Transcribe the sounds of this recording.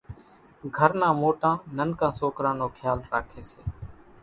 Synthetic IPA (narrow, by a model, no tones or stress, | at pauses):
ɡʱəɾnãːmoːʈãːnənkãːsoːkɾãːnoːkʰjaːlɾaːkʰeːsḛː